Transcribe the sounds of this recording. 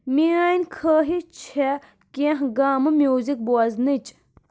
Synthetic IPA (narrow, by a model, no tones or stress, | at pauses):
miaːnʲkʰəːɦit͡ʃʰe | kʲẽɦɡaːmɨmʲjuːzik̚buɐznɨt͡ʃ